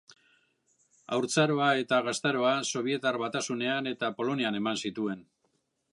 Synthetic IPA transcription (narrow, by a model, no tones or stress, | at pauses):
a̰wɾt͡saɾo̞ae̞t̪aɣast̪aɾo̞aso̞β̞ie̞t̪arβat̪asune̞ane̞t̪apo̞lo̞niane̞mansit̪ue̞n